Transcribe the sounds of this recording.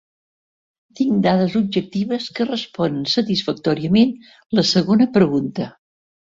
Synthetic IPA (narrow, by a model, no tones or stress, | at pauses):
t̪iŋd̪aðəzub̚ʒək̚t̪iβəskərəspɔnənsət̪isfək̚t̪ɔɾiəmen | ləsəɣonəpɾəɣunt̪ə